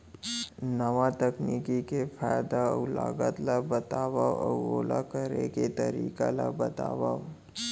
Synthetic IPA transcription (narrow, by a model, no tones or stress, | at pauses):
nɐʋat̪ɐkniːkikefʰaːjd̪aʊla̰ːɡət̪labət̪aːwaɔːoːlakəɾeket̪ɐɾiːka̰la̰bɐt̪a̰ːwa